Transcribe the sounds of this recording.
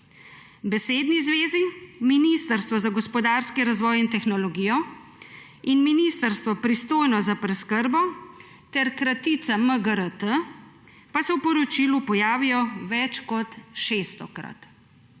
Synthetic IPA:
bɛseːd̪nizʋeːziminist̪əɾst̪ʋɔzaɡɔspɔd̪aːɾskiɾazʋɔːjint̪ɛxnɔlɔɡiːjɔ | inminist̪əɾst̪ʋɔpɾist̪oːjnɔzapɾɛskəɾbɔ | t̪ɛɾkɾat̪it̪saməɡəɾət̪ə | pasɛwpɔɾɔt͡ʃilupɔjaːʋijɔʋɛt͡ʃkɔt̪ʃest̪ɔkɾa̰t̪

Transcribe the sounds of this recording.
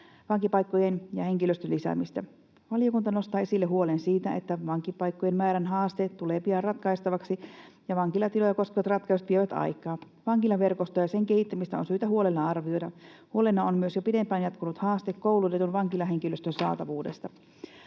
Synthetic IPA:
ʋɑŋkipɑikːojenjɑhe̞ŋkiløst̪ølːisæ̰mist̪æ | ʋɑlijokunt̪ɑno̞st̪ɑːesilːeɦuolensiːt̪æet̪ːæʋɑŋkipɑikːojenmæːɾænɦɑːst̪et̪ːuleːpiɑnrɑt̪kɑist̪ɑʋɑksijɑʋɑŋkilɑt̪ilojɑko̞skeʋɑt̪rɑt̪kɑiset̪ʋieʋæt̪ɑ̰ikˑɑː | ʋɑŋkilɑʋe̞rkost̪ojɑseŋkehit̪ːæmist̪æonsyːt̪æhuolelːɑɑrʋio̞jdɑ | huo̞lenːɑonmyøsjopidempæːnjɑt̪kunut̪hɑːst̪ekkːowlut̪et̪unʋɑŋkilɑɦe̞ŋkiløst̪ønsɑ̰ːt̪ɑʋuːdḛst̪ɑ

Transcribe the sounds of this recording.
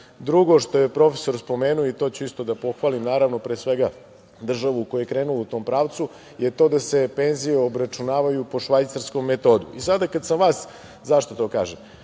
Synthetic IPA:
d̪ɾuɡo̞ʃt̪o̞jepɾo̞feso̞ɾspo̞meːnuoit̪o̞t͡ɕuist̪o̞d̪apo̞xʋalimnaːɾaʋno̞pɾeːsʋeɡa | d̪r̩ʒaʋukojujekɾeːnulout̪o̞ːmpɾaːʋt̪su | jet̪o̞ːd̪ase̞pe̞nzijeobɾat͡ʃunaːʋajupo̞ʃʋajt̪saɾsko̞mːet̪o̞ːd̪ṵʔisad̪akad̪samʋaːs | zaʃt̪ot̪o̞ːka̰ːʒem

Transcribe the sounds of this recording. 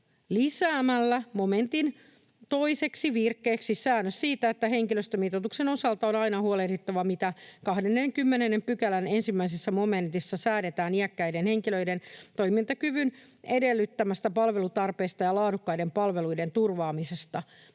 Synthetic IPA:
lisæːmælːæmo̞me̞nt̪in | t̪o̞ise̞ksiʋirkːe̞ːksisæːnːøssiːt̪æet̪ːæɦe̞ŋkiløst̪ømit̪ot̪ukseno̞sɑlt̪ɑonɑinɑhuolerit̪ːɑʋɑmit̪ækɑhdenːeŋkymːenenːempykælænensimːæisesːæmo̞me̞nt̪isːɑsæːɾe̞t̪æːniækːæjdenhe̞ŋkiløijde̞nt̪o̞jmint̪ɑkyʋyn | ede̞lːyt̪ːæmæst̪æpɑlʋe̞lut̪ɑrpe̞ːst̪ɑjɑlɑːdukːɑjde̞mpɑlʋe̞lujde̞nt̪urʋɑːmise̞st̪ɑ

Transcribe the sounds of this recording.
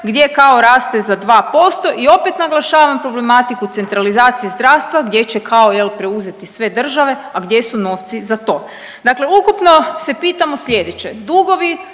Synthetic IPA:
ɡd̪ʲje̞kaoɾaːst̪ezad̪ʋaːpo̞st̪o̞ʔio̞pet̪naɡlˠaʃaːʋampɾo̞ble̞mat̪ikut̪se̞nt̪ɾalizaːt̪siizd̪ɾaːʋst̪ʋaɡd̪je̞t͡ɕekʰao̞jelpɾeuze̞t̪isʋe̞d̪r̩ʒaʋe̞aɡd̪je̞suno̞ːft̪sizat̪o̞ː | d̪akle̞ukupno̞se̞piːt̪amo̞sʎʲe̞d̪et͡ɕe̞d̪uɡo̞ʋi

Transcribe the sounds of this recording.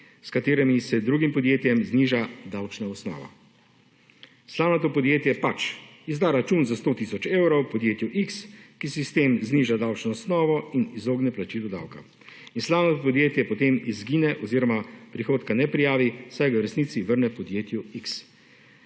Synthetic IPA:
skat̪eːɾɛmisɛd̪ɾuɡimpɔd̪jeːt̪jɛmzniːʒad̪awt͡ʃnɔɔsnɔ̰ːʋɔ̰ | slaːwnat̪̬oːpɔd̪jeːt̪jɛpat͡ʃizd̪aːɾat͡ʃunzast̪oːt̪isɔt͡ʃewɾowpɔd̪jeːt̪juʔikskisist̪emzniːʒad̪awt͡ʃnɔɔsnɔːʋɔinizoːɡnɛplat͡ʃiːlɔd̪a̰wka̰ | inslawnat̪opɔd̪jeːt̪jɛpɔt̪emizɡinɛʔɔziːɾɔmapɾixoːt̪kanɛpɾijaːʋisajɡawɾɛsniːt̪siʋəɾnɛpɔd̪jeːt̪juiks

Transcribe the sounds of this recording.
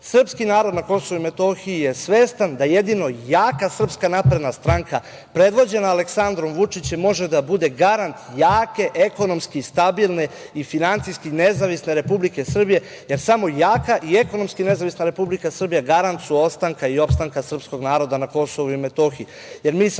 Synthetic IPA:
sr̩pskinaːɾo̞d̪nako̞soʋuime̞t̪o̞xiije̞sʋe̞ːst̪and̪aje̞d̪ino̞jaːkasr̩pskanapɾed̪nast̪ɾaːŋka | pɾe̞d̪ʋo̞d͡ʑe̞naːle̞ksand̪ɾo̞mʋut͡ʂit͡ɕemːo̞ʒed̪abud̪e̞ɡaɾant̪jaːke̞ʔeko̞no̞mskist̪abilˠne̞ | ifinant̪sijskine̞zaʋisneɾe̞publike̞sr̩bije̞ | je̞ɾsamo̞jaːkaʔie̞ko̞no̞mskine̞zaʋisnaɾe̞publikasr̩bijaɡaɾant̪suo̞pst̪aŋkaio̞pst̪aŋkasr̩psko̞ɡnaːɾo̞d̪anako̞so̞ʋuime̞t̪o̞xii | je̞ɾmiːs

